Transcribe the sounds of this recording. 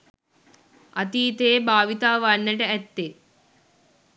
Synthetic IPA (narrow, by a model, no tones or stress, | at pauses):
ʔɐt̪iːt̪eːbaːʋit̪aːʋanːəʈəæt̪ːe